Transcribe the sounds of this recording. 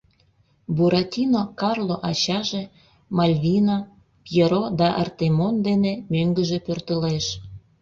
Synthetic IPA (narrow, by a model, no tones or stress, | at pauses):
buɾʔɑt̪ʲinokɑrloʔɑt͡ɕɑʒe | mɑlʲβina | pjeɾod̪ɑʔɑ̰rt̪emond̪enemøŋɡəʒepørt̪əleʃ